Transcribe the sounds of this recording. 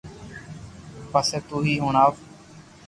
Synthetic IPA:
pəseːt̪uːɦiːɦuːɳaːf

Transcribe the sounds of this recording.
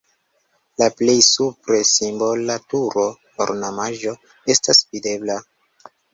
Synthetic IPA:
laple̞jsupɾe̞simbo̞latuɾo̞ | o̰ɾnamaʒo̞ | e̞stasvide̞bla

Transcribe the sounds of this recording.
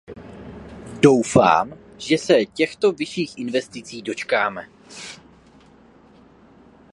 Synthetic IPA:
do̞wfa̰ːm | ʒ̥ɛsɛcɛxt̪o̞vɪʃiːxʔɪnvɛst̪ɪt͡siːdo̞t͡ʃkaːmɛ

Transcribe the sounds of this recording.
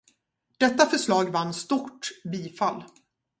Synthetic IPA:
d̪̥ɛt̪ːafœʂɭɑːɡvanːst̪uʈbiːfalː

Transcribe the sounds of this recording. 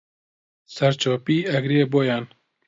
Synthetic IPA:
sɛɾt͡ʃʰɔːpiːæɡɾeːboːjaːn

